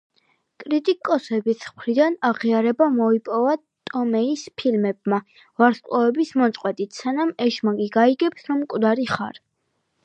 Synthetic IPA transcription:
kʼɾit̪ʼikʼɔsɛbisʰχɾid̪anaʁiaɾɛbamɔipʼɔva | t̪ʼɔmɛispʰilmɛb̚ma | vaɾskʼlɔɛbismɔt̪sʼqʼwɛt̪ʼit̪ʰsanamɛʃmakʼiɡaiɡɛpsɾɔmkʼvd̪aɾiχa̰ɾ

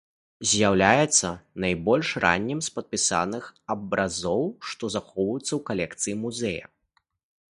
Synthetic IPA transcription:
zʲjawlʲajɛt̪sːɐnajbɔlʲʂra̰nʲːɛmspɐt̪̚pʲisa̰nɨxɐbɾazɔwʂt̪ɔzaxɔwvɐjut̪sːɐwkalʲɛkt̪sɨjimuzɛjɐ̰

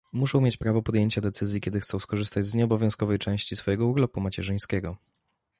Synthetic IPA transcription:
muʂɔ̃wmʲjet͡ɕpɾavɔpɔd̪jeɲt͡ɕad̪ɛt̪sɘzʲjikʲɛd̪ɘxt̪sɔɛ̃w̃skɔʐɘst̪ad͡ʑzɲɛɔbɔvʲjɔ̃wskɔvɛjt͡ʂɛ̃w̃ɕt͡ɕisfɔjɛɡɔuɾlɔpumat͡ɕɛʐɘj̃skʲɛɡɔ

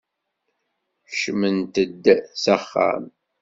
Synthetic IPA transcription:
ʃmənt̪əd̪ːsaχːa̰m

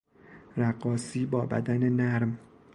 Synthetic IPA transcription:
ɾæɢɒːsiːbɒːbæ̰d̪ænenæɾm

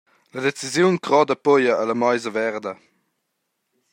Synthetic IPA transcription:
ləd̪et͡sizjunkʁɔd̪əpojəʔːləmajzəvɛʁd̪ə

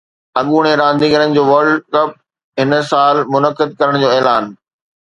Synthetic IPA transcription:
ɐɠuːɽ̃eɾãːnd̪iːɡəɾənɪ̆d͡ʑoːʋɐɾɖkɐp̚ | ɦɪnsaːlmʊnəkɪd̪̚kɐɾəɽ̃d͡ʑoːɛːlaːn

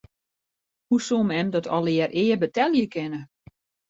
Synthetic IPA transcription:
husomɛmdɔtʰɔlˠɪərʔɪːəbətɛlˠjəkɪnə

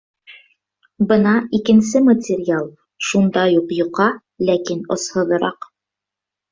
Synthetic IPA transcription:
bɤnɑikɘ̆nsɘmətʲɪɾʲɪalˠ | ʃund̪ɑjuqjŭqɑ | lækinŏ̰shɤ̆ðɤ̆ɾɑq

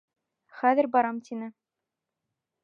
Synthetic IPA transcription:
χæðɘ̆ɾʲbɑɾɑmt̪ʲʰinɘ̆

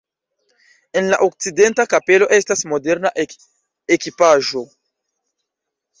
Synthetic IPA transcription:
e̞nla̰ʔok̚t͡side̞ntakape̞lo̞ʔe̞stasmo̞de̞ɾna | ekipaʒo̞

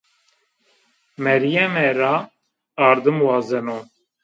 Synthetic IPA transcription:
mɛɾijɛmɛɾaː | ɾd̪ɨmwɑːzɛno

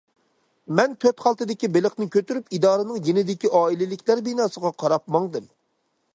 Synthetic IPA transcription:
mɛnt̪ʰøt̪χɑlˠt̪ɨd̪ɪkʲibelɪχnɪkʲʰøt̪yɾypid̪ɑːɾɨnɨŋjenɪd̪ɪkʲiʔɑːilɪlɪkʲlæɾbinɑːsəʁɑqʰɑɾɑp̚mɑŋd̪ɨm

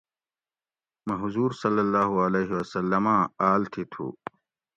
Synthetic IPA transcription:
mɐɦʊzuːɾsɐlːɐlːaːɦuɐleːɦiwɐsɐlːɐmãːaːlt̪ʰit̪ʰṵː

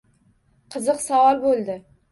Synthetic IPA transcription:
qʰɨzɨqsɒwɒlbolˠd̪ɪ

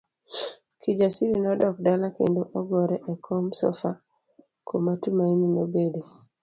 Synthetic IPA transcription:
kʰid͡ʒasiɾinɔdɔk̚dalakḛndoʔɔɡɔɾɛʔɛkʰɔmsɔ̰fa | komatumaininobede

